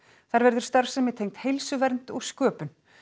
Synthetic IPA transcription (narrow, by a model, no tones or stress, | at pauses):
θaɾvɛɾðʏɾ̥st̪aɾ̥sɛmjɛt̪ʰejŋt̪hejlsʏvɛɾnt̪ɔɣskœːpʏn